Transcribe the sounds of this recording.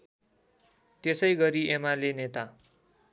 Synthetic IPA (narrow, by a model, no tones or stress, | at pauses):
t̪esʌjɡʌɾiʔemalenet̪a